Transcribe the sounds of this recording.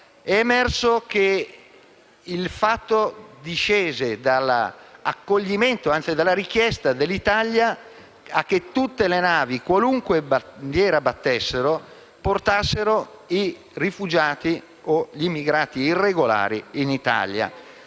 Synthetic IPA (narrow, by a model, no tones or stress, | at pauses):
ɛːmɛrsok̟e | ilfat̪ːod̪iʃeːzed̪ala̰kːoʎːiment̪oant̪sid̪alːaɾik̟jɛst̪ad̪elːit̪aljaː | k̟ːet̪ːut̪ːelenaːvikwaluŋkweband̪jɛːɾabat̪ːesːeɾo | port̪asːeɾoi | rifud͡ʒaːt̪i | oʎimːiɡɾaːt̪iːrːeɡola̰ːɾiːnit̪a̰lja̰